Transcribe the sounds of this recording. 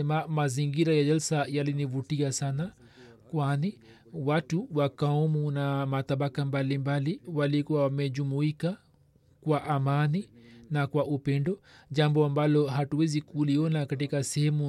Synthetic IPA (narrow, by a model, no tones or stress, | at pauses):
ɛmamaziŋɡiɾajaʄɛlsajalinivutiasana | kwani | watuwakaɔmunamat̪aɓakambalimbaliwalikuwawamɛʄumuika | kwaʔamaninakwaʔupɛndɔʄambɔambalɔɦatuwɛzikuliɔnakatikasɛhɛmu